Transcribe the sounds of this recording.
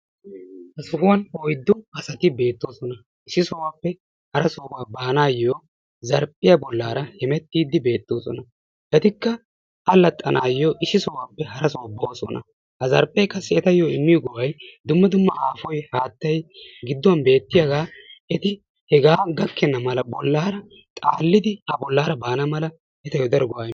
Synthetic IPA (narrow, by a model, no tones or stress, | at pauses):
hɐsʊɡʊwɐnɔjd̪ːʊɐsɐt̪ɪbe̞ːt̪ːoːsɔnɐ | ʔɪsɪsɔwaːpːɛ | hɐɾɐsɔːwaːbaːnaːjːoː | zɐɾpʼːɪjɐbɔlːaːɾɐhɛmɛt̪ːiːd̪ɪbe̞ːt̪ːoːsɔnɐ | ʔɛt̪ɪkːɐ | ɐlːɐt̪ʼːɐnaːjːoːʔɪsɪsɔwaːpːɛhɐɾɐsɔwɐboːsɔ̰nɐ̰ | hɐzɐ̰ɾpʼːɛjkɐsːɛɛt̪ɐjːoɪmːɪjɔɡɔwɐjd̪ʊmːɐd̪ʊmːɐʔaːfɔjhaːt̪ːɐjɡɪd̪ːwɐnbe̞ːt̪ːɪjaɡaːʔɛt̪ɪ | hɛɡaːɡɐkːɛnːɐmɐlɐbɔlːaːɾɐ | t̪ʼa̰ːlːɪd̪ɪhɐbɔlːaːɾɐbaːnɐmɐlɐ | ʔɛt̪ɐjoːd̪ɐɾɡɔwa